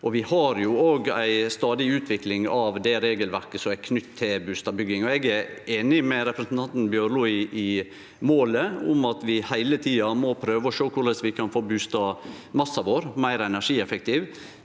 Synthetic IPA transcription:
ʔɔʋɪhɑɾjʊoːɡæ̰ɪst̪ɑːd̪ɪʉːt̪ʰʋɪklɪŋɑʋd̪ɛɾeːɡəlʋæɾkəsɔmækʰnʏt̪ʰːɪlbʉːst̪ɑbʏɡːɪŋɔɛɡæɾeːnɪmɛɾɛpɾəsnt̪ɑnt̪n̩bjøːɾluɪʔɪ | moːləʊmɑt̪ʋɪhæɪlət̪ʰiːɑmɔpʰɾøːʋəɔʃøːkʰʊɾɭɛsʋɪkʰɑnfoːbʉːst̪ɑmɑsːɑʋoːɾmæɪɾɛnæʂiːɛfɛk̚t̪ʰiʋ

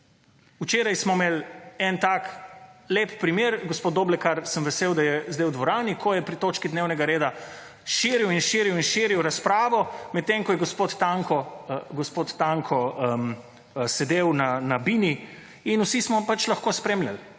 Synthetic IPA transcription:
ut͡ʃeːɾajsmɔmelɛnt̪akleːppɾimjeːɾɡospod̪oːblɛkaɾsəmʋɛseːwd̪ajɛzd̪ewd̪ʋɔɾaːnikʰɔjɛpɾit̪oːt͡ʃkid̪neːwnɛɡaɾeːd̪a | ʃiɾiwinʃiːɾiwinʃiːɾiwɾaspɾaːʋɔmɛt̪̚t̪ːeŋkɔjɛɡospot̪t̪aŋkɔɡospot̪ːaŋkʰɔəm | sɛd̪eːwnanabini | inusismɔpat͡ʃlɐxkoːspɾeːmlʲjal

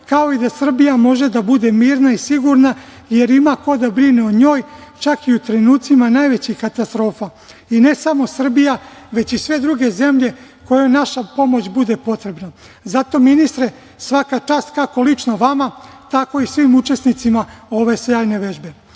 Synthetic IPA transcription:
kao̞id̪asr̩bijamo̞ʒe̞d̪abud̪e̞miːɾnaisiɡuɾna | je̞ɾimako̞d̪abɾineod̪ɲo̞ːjt͡ʃakiut̪ɾe̞nuːt̪simanaːjʋe̞t͡ɕixkat̪ast̪ɾo̞ːfa | ine̞samo̞sr̩bijaʋe̞t͡ɕisʋe̞d̪ɾuɡe̞ze̞mʎe̞ | ko̞jo̞jnaʃapo̞mo̞t͡ɕbud̪e̞po̞t̪ɾe̞bna | zat̪o̞minist̪ɾe̞ | sʋakat͡ʃaːst̪kako̞lit͡ʃnoʋamat̪ako̞isʋimut͡ʃe̞snit̪simao̞ʋe̞sjaːjne̞ʋe̞ʒbe̞

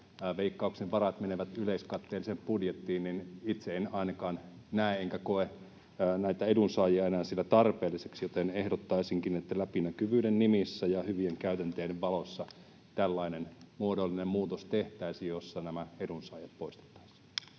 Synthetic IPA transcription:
ʋeikːɑukseʋʋɑrɑt̪meneʋæt̪yleiskɑt̪ːeːlisemppudjet̪ːiːnninit̪seenɑinɑkɑːn | næeeŋkækoeː | næit̪æedunsɑːjiɑenæːnsilːæt̪ɑrpeːlːiseksjot̪enehdot̪ːɑisiŋkinet̪ːælæpinækyʋyːdennimisːæjɑhyʋieŋkæyt̪ænt̪eːɾeʋʋɑlosːɑ | t̪ælːɑinenmuodolːinemmuːt̪ost̪eht̪æisijjosːɑnæmæedunsɑːjɑt̪̚poist̪e̥t̪ːɑ̥isi̥

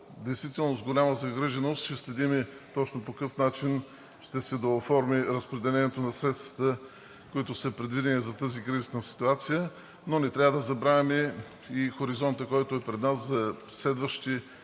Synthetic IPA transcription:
d̪ɛjst̪vit̪ɛlˠnosɡolʲaməzɐɡɾiʒɛnost̪t͡ʃɛslɛd̪imɛt̪ɔt͡ʃnopokɤfnat͡ʃin | ʃt̪ɛsɛd̪ɐofɔɾmiɾəspɾɛd̪ɛlɛnɛt̪onɐsɾɛt̪st̪ə̥t̪ə | koit̪ʊsəpɾɛd̪vid̪ɛnizɐt̪əzikɾizisnəsi̥t̪uat̪sijə | nonɛt̪ɾʲavəd̪ɐzɐbɾavʲɐmɛ | ixoɾizɔnt̪əkɔjt̪ʊɛpɾɛd̪naszɐ | slɛd̪vəʃt̪i

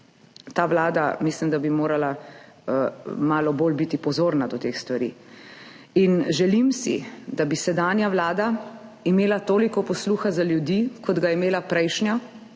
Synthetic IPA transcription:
t̪aːʋlaːd̪amislimd̪abimoːɾala | maːlɔboːlbit̪ipɔzoːɾnad̪ɔt̪exst̪ʋaɾḭ | inʒɛlimsḭd̪abisɛd̪aːnjaʋlaːd̪aimeːlat̪oːlikɔpɔsluːxazaljud̪ikʰɔd̪ɡaɛmeːlapɾɛjʃnja

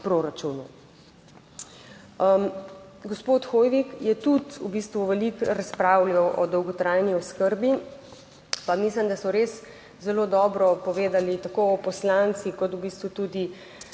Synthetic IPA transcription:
pɾoɾat͡ʃunṵ | ɡɔspoːt̪xojʋikjɛt̪ut̪ṵbiːst̪ʋuʋɛlikɾaspɾaːwlʲjawʔɔd̪ɔwɡɔt̪ɾajniɔskəɾbi | pamislimd̪asɔɾes | zɛlod̪ɔːbɾɔpɔʋeːd̪alit̪akoɔpɔslant̪sikɔt̪ubiːst̪ʋut̪uːd̪i

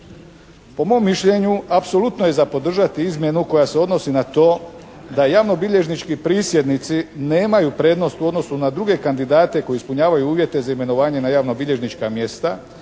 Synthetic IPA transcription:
po̞mo̞mːiʃʎʲe̞ɲuapso̞lut̪noje̞zapo̞d̪r̩ʒat̪iizmje̞nuko̞jase̞o̞d̪no̞sinat̪o̞ː | d̪ajaʋno̞biʎe̞ʒnit͡ʃkipɾiːsje̞d̪nit̪sine̞ːmajupɾe̞ːd̪no̞st̪uo̞d̪no̞sunad̪ɾuɡe̞kand̪id̪aːt̪e̞ko̞jeispuɲaːʋajuuːʋje̞t̪e̞zaime̞no̞ʋaːɲe̞najaːʋno̞biʎe̞ʒnit͡ʃkamje̞st̪a

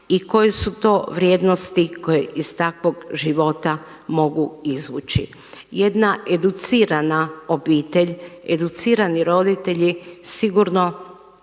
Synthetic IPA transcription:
iko̞jesut̪o̞ːʋɾje̞ːd̪nost̪iko̞jeʔist̪akʋo̞ɡʒiʋo̞t̪a | mo̞ɡuizʋṵt͡ʃḭ | je̞d̪naʔe̞d̪ut̪siːɾanao̞biːt̪e̞ʎḛd̪ut̪siːɾaniɾo̞d̪it̪e̞ʎisiɡuɾno̞

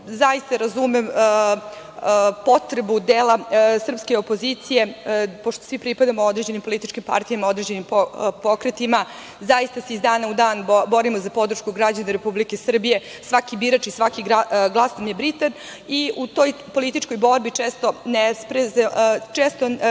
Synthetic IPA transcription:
zaist̪aɾazumem | po̞t̪ɾebud̪eːlasr̩pskeo̞po̞zit̪sije̞po̞ʃt̪osʋipɾipad̪amoo̞d̪ɾed͡ʑe̞nimpo̞lit̪it͡ʃkimpa̰ɾt̪ijamao̞d̪ɾed͡ʑe̞nimpopo̞kɾet̪ima | zaist̪ase̞izd̪aːnaud̪aːnbo̞ɾimozapo̞d̪ɾ̩ʃkuɡɾad͡ʑaneɾepublike̞sr̩bije̞ | sʋakibiːɾat͡ʃisʋakiɡɾaɡlˠasnamjebɾit̪an | iut̪o̞jpo̞lit̪it͡ʃko̞jbo̞ɾbit͡ʃeːst̪o̞nespɾezet͡ʃeːst̪o

